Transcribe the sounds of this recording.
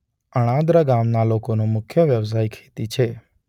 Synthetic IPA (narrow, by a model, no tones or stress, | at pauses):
əɽ̃ãd̪ɾaɡamnalokonõmʊkʰjəʋjəʋs̬ajkʰet̪it͡ʃʰe